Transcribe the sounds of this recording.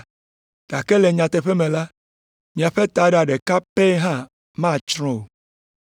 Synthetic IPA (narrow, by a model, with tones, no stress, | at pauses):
ɖ̥a˨ke˦le˨ɲã˨t̪e˨ɸe˦mẽ˨la˦ | mĩ˨a˨ɸe˦t̪a˨ɖa˨ɖe˨ka˦pe˦ɦã˦˨ | mã˦˨t͡ʃɾ̃ɔ̃˦o˨